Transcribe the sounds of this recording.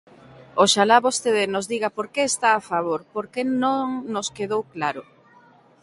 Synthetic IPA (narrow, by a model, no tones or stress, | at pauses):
oʃalaβost̪eðenʊzðiɣapoɾkeːst̪aːfaβ̞oɾpoɾkenõŋnoskeðowklaɾʊ